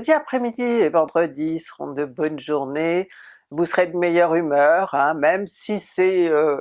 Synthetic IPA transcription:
d̪iapχɛmid̪ievɑ̃d̪ʁəd̪isəʁɔ̰̃d̪əbɔnʒuʁne | vusəʁed̪əmejœʁymœʁɛ̃mɛmsisɛø

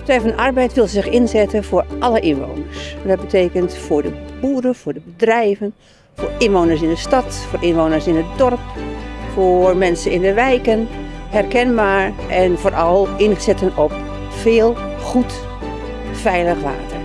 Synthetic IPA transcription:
tɛjfɔnʔarbɛjtʋɪlˠsɪxɪnzɛtənfʊːrʔɑləʔɪnʋo̰ːnəɹsdɔt̚bətʰeːkəntfʊːɹdəbuːɾəfʊːɹdəbədrɛjvən | fʊːɪnʋoːnəsɪndəstɑtfoːɾʔɪnʋoːnəɹsɪnət̚dɔrpformɛnsənɪndəʋɛjkən | hɛrkɛnbaːɹ | ʔɛnfoːɾʔɔlˠɪnsɛtənɔp̚ | feːlˠ | xut | fɛjləxʋa̰ːtər

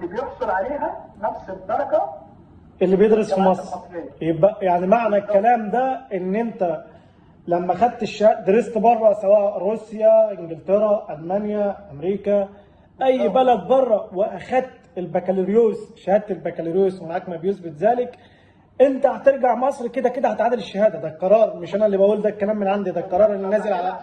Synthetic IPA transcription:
ʔlːibjoħsˤolʕaleːɦænɑfsˤet̪ːɑɾˤɑɡɑ | ʔelːibjed̪ɾesfimɑsˤɾˤjebæjaʕnimaʕnækːælæːmd̪æʔenːʔent̪æ | læmːæxæd̪̚t̪eʃːæd̪eɾest̪bɑrˤːɑsæwæːʔɾuːsjæʔɪŋɡɪlt̪eɾæʔælmænjæʔæmɾiːkæ | ʔæjːbælæd̪̚bɑrˤːɑweʔæxæd̪̚t̪elbækæleɾjoːsʃæhæd̪̚t̪elbækæleɾjoːsmenʕaːkmæbjesbɪt̪zæːlɪk | ʔent̪æt̪eɾɡaʕmɑsˤɾked̪æked̪æhæt̪ʕaːd̪eleʃːæhæːd̪æd̪æqɑɾˤɑːɾˤmeʃʔænælːibæʔuːld̪ækːælæːmːenʕand̪id̪ælqɑɾˤɑːɾˤʔenːinːæzelʕalæ

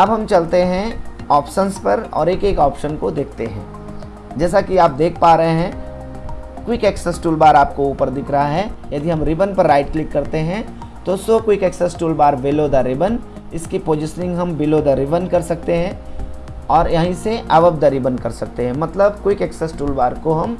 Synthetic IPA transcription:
ɐbʱɦɐmt͡ʃɐlt̪eɦɛ̃ɔːpʃənspɐɾɔ̰ːɾeːkeːkɔːpʃənkod̪eːk̚ʰt̪eɦɛ̰̃ː | d͡ʒɛːsakiaːp̚d̪eːk̚ʰpaːɾəɦeɦɛ̃ | kwɪkeːksesʈuːlbaːɾaːp̚kouːpəɾd̪ɪkʰɾɐɦaɦɛjɐd̪ʱiɦɐmɾɪbənpɐɾːaːɪʈ̚klɪkːɐɾt̪eɦɛ̃ | t̪osokwɪkeːksesʈuːlbaːɾʋɪlod̪aɾɪbən | ɪskipoːd͡ʒɪsnɪ̃ŋɡɦɐmbɪlod̪aɾɪbənkɐɾsɐk̚t̪eɦɛ̃ | ɔːɾjɐɦĩseʔɐʋəb̚d̪aɾɪbənkɐɾsɐk̚t̪eɦɛ̃mɐt̪ləbkwɪkeːksɛsʈuːlbaːɾkoɦɐm

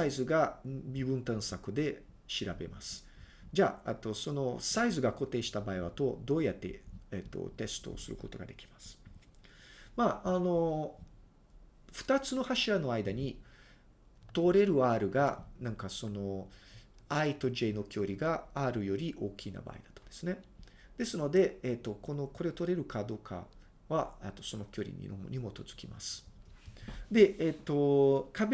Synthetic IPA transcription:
saizɨɡabʲibɯ̟̃nt̪ãɰ̃sakɯ̟d̪e̞ | ɕiɾabe̞masɨ̥ | d͡ʑaet̪ːo̞so̞no̞saizɨɡako̞t̪e̞ːɕi̥t̪abaiβat̪o̞d̪o̞ːjat̪ːe̞̰et̪ːo̰t̪e̞sɨ̥t̪o̞̰ːsɨɾɯ̟ko̞t̪o̞̰ɡad̪e̞kʲi̥masɨ̥ | maːno̞ | ɸɯ̟̥t̪at͡sɨno̞haɕiɾano̞aid̪aɲ̟i | t̪o̞ɾe̞ɾɯ̟aːɾɯ̟ɡanãŋkaso̞no̞ | ait̪o̞ʑe̞no̞kʲo̞ːɾʲiɡaaːɾɯ̟jo̞ɾʲiʔo̞ːkʲʰina̰ba̰ːid̪ḁt̪o̥d̪̥e̞sɨne̞ | d̪̥e̞sɨno̞d̪e̞et̪ːoko̞no̞ko̞ɾe̞ot̪oɾe̞ɾɯ̟kad̪o̞ːkʰa̰ | βaet̪ːo̞so̞no̞kʲo̞ɾʲḭɲʲḭno̰ɲ̟imo̞t̪o̞zɨ̥kʲima̰sɨ̥ | d̪e̞et̪ːo̞kabe

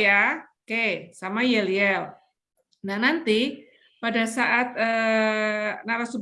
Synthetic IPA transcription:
a | kesamajeliɛl | nahnant̪i | padasaʔat̪̚əː | naɾasub

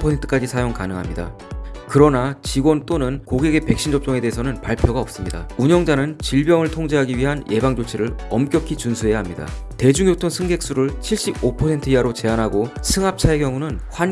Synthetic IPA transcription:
pʰʌsʰentʰɯ̥k͈ad͡ʑisʰajoŋkanɯŋɦa̰mɲida̰ | kɯɾʌnat͡ɕiɡwʌnt͈onɯnkoɡeɡe̞pe̞k̚ɕ͈ʰind͡ʑʌp̚t͡ɕ͈ʌŋede̞ɦesʰʌnɯnpaɭpʰjoɡaʌp̚s͈ɯmɲida̰uɲʌŋd͡ʑanɯnt͡ɕiɭbjʌŋɯɭtʰoŋd͡ʑeɦaɡiɥiɦanjʔe̞baŋd͡ʑot͡ɕʰiɾɯɭʌmk͈jʌkʰit͡ɕunsʰuɦe̞jaɦamɲida̰ | te̞d͡ʑuŋjotʰoŋsʰɯŋɡe̞k̚s͈uɾɯɭt͡ɕʰiɭɕ͈ibopʰʌsʰe̞ntʰɯiaɾot͡ɕe̞anɦaɡosʰɯŋap̚t͡ɕʰae̞kjʌŋunɯnɸwan

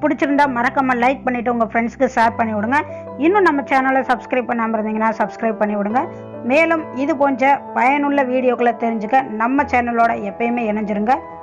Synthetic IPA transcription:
pʊɽɪt͡ʃːɯɾɯnd̪aːmɐɾɐkːɐmaːlɐɪk̚pɐɳːɪʈːɯʊŋɡɐfɾɛɳskːɯsaːɾpɐɳːɪʋɔɽɯŋɡɐ | ɪnːʊ̃nɐmːɐt͡ʃaːnɐlɐsɐbskɾɐɪb̚pːɐɳːaːmɐɪɾɯnd̪iːŋɡɐnːaːsɐbskɾɐɪb̚pɐɳːɪʋʊɽɯŋɡɐ | meːlɯmɪðɯpoːɲd͡ʒɐpɐjɐnʊɭːɐʋiːɽɪjoːkɐɭlɐt̪ɛɾɪɲd͡ʒɯkːɐnɐmːɐt͡ʃɛːnɐloːɽɐɛpːɐjmeːɛnɐɲd͡ʒɯɾɯŋɡɐ

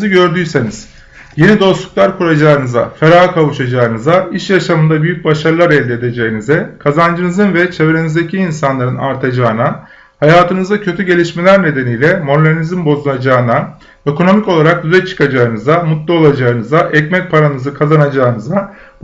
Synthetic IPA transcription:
ɯɟø̞ɾd̪yjse̞niz̥ | je̞nid̪o̞slˠuklˠaɾkʰuɾad͡ʒaːnɯza̰feɾaːɯkʰavuʃad͡ʒaːɯnɯzaiʃjaʃamɯnd̪abyjyc̚baʃaɾɯlˠaɾɛlʲd̪ɛed̪e̞d͡ʒeinizɛkʰazand͡ʒɯnɯzɯnvɛt͡ʃʰe̞vɾe̞nizd̪ecʰiːnsanlˠaɾɯnaɾt̪ʰad͡ʒaːɯna | hajaːt̪ʰɯnɯzacʰø̞t̪ʰyɟe̞lʲiʃme̞lʲæɾne̞d̪e̞nijlʲɛmo̞ɾd̪eɾnizimbo̞zulˠad͡ʒaːɯna | ø̞kʰo̞no̞mico̞lˠaɾak̚d̪yzɛt͡ʃʰɯ̥kad͡ʒaːɯnɯzamut̪lˠaolˠad͡ʒaːɯnɯzaʔɛcmɛc̚pʰaɾanɯzɯkʰazanad͡ʒaːɯnɯza

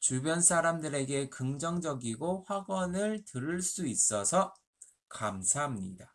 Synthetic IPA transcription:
t͡ɕubjʌnsʰaɾamdɯɾe̞ɡe̞kɯŋd͡ʑʌŋd͡ʑʌɡiɡoɸwaɡʌnɯɭtɯɾɯɭs͈uis͈ʌsʰʌ | kamsʰaɦamɲḭda

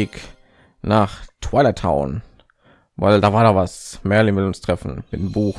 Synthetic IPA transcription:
ɪk | naːχtʰv̥aɪlɐtʰa̰ʊn | va̰ɪldaːvaːɐdavasmɛɐlinvɪlʊnstʁ̥ɛfn̩mɪt̚dembuːx

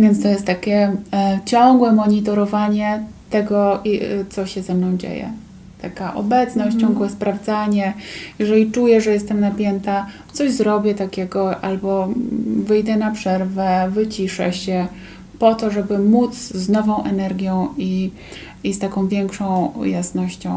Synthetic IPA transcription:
vʲjɛnt̪st̪ɔjɛst̪ːakʲɛt͡ɕɔŋɡwɛmɔɲit̪ɔɾɔvaɲɛt̪ɛɡɔit̪sɔɕɛzɛmnɔ̃w̃d͡ʑḛjɛ̰ | t̪akaʔɔ̰bɛt̪snɔɕt͡ɕɔŋɡwɛspɾavd̪zaɲɛjɛʐɛlʲit͡ʂujɛʐɛjɛst̪ɛmnapʲjɛnt̪at̪sɔʑzɾɔbʲjɛt̪akʲɛɡɔʔalbɔvɘjd̪ɛnapʂɛɾvɛvɘt͡ɕiʂɛ̰ɕɛ | pɔt̪ɔʐɛbɘmut̪sznɔvɔ̃w̃ʔɛnɛɾɡʲjɔ̃w̃i | ist̪akɔ̃w̃vʲjɛŋkʂɔ̃w̃jasnɔɕt͡ɕɔ̃w̃

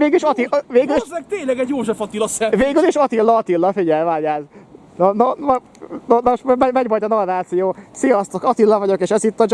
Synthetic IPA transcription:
eːɡiʃɒt̪iveːɡyliʃzɛkt̪eːɲlɛɡɛɟjoːʒɛfɒt̪ilɒsɛveːɡyliʃɒt̪ilːɒɒt̪ilːɒfiɟɛlvaːɟaːz | nonom | nonmoʃmmɛmɛɟmɒlt̪ɒnɒrraːt̪sijoːsijɒst̪okɒt̪ilːɒvɒɟo̞keːʃɛzit̪ːɒd͡ʒ

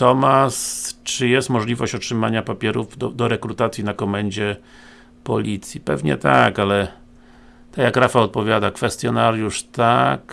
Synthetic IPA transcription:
t̪ɔmast͡ʂɘjɛst̪mɔʐlʲivɔɕt͡ɕɔtʂɘma̰ɲapapʲjɛɾuvd̪d̪ɔɾɛkɾut̪at̪sʲjinakɔmɛɲd͡ʑɛ | pɔlʲʔit̪sʲjipɛ̰vɲɛ̰t̪a̰kalɛ | t̪ajakɾafaɔt̪̚pɔvʲjad̪akfɛst̪jɔnaɾjuʂt̪ak

